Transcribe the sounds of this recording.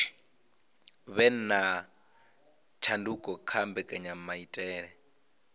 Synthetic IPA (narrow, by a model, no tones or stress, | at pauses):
βɛn̩na | t͡ʃʰandukʼɔkʰambɛkʼɛɲam̩maitʼɛːɺɛ